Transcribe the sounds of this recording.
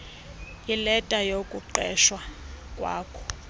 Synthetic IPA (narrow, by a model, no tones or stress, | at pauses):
jilɛtʼajokʼuǃɛʃwakʼwa̰ːkʰɔ̥